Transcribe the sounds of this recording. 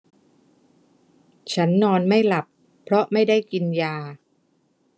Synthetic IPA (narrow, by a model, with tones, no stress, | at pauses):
t͡ɕʰa˦˥nːɔː˧nma˥˩jla˨˩pʰ | ɾɔ˦˥ma˥˩jda˥˩jki˧njaː˧